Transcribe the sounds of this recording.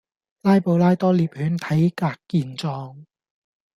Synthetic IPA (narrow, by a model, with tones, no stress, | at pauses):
laː˥jpo˨˧wlaː˥jt̪ɔː˥liː˨˧p̚hyː˨˥nt̪ʰɐ˨˥jkaː˧kːiː˧nt͡sɔː˧ŋ